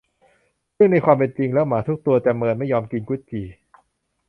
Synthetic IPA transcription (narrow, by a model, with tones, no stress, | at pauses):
ɾɯ˥˩əŋna˧jkʰwaː˧mp̬e˧nt͡ɕi˧ŋlɛː˦˥wmaː˩˦t̪ʰu˦˥k̚t̪u˧ɐt͡ɕ̪ɛ˨˩mɤː˧nma˥˩jːɔː˧mki˧nku˦˥t̪̚t͡ɕʰiː˨˩